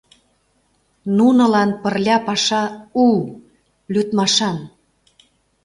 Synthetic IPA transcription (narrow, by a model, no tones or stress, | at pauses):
nunɤ̆lɑnpərlʲɑpɑʃɑul | lʲyt̪mɑʃɑn